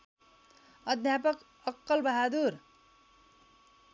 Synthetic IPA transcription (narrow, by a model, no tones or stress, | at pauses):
ʌd̪ʱjapʌk | ʌkːʌlbʌɦad̪uɾ